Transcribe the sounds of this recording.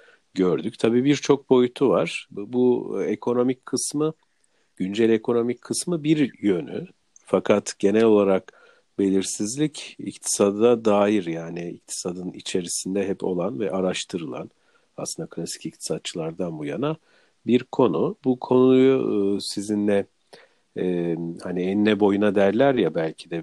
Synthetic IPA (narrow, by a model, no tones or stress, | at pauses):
ɟøɾd̪yc̚ʲt̪ʰabiːbiɾt͡ʃʰo̞k̚bo̞jut̪ʰuvaɾ̥buekʰo̞no̞micʰkʰːɯsmɯ | ɟ̥ynd͡ʒɛlʲe̞kʰo̞no̞micʲkʰɯsmɯbiɾjø̞ny̰ | fakʰat̪ɟe̞nɛlʲo̞lˠaɾak | be̞lʲiɾsizlʲicḭct̪ʰi̥sad̪ad̪aːjiɾjaːniic̚t̪ʰi̥sad̪ɯnḭt͡ʃʰe̞ɾisind̪ɛɦɛpʰo̞̰lˠanvɛʔaɾaʃt̪ʰɯɾɯlˠa̰n | a̰slɯnd̪akʰlʲasi̥cic̚t̪ʰi̥sat̪̚t͡ʃʰɯlˠaɾd̪anbujana | biɾkʰo̞nubukʰo̞nujsizinlɛ | haniɛnːɛbo̞junad̪æɾlʲæɾjabælʲcʰid̪ɛ